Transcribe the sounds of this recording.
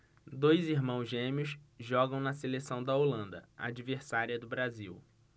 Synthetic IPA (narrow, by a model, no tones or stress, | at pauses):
d̪ojziɦmɐ̃w̃zʒẽmiʊsʒɔɡɐ̃w̃nɐselesɐ̃w̃d̪ɐolɐ̃nd̪ɐ̰a̰d͡ʒiveɾsaɾiɐd̪ʊbɾaziw